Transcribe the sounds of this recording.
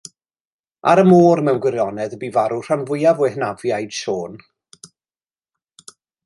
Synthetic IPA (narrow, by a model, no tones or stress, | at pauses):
a̰ɾəmoːrmɛwnɡwɪɾjɔnɛðəbiːvaɾur̥anvʊjavɛhnavjajd̥ʃoːn